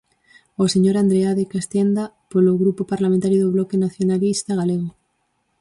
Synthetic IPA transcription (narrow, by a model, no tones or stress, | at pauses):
oseɲoɾand̪ɾeaðekast̪end̪a | poloɣɾupopaɾlamẽnt̪aɾjoðoβlokenaθjonalist̪aɣaleɣ̞o